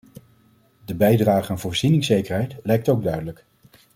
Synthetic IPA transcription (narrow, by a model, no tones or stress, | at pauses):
dəbɛjdraːχəanvʊːɹz̥inɪŋsejkəɹɦɛjtlɛjk̚towɡ̚dœɥdələk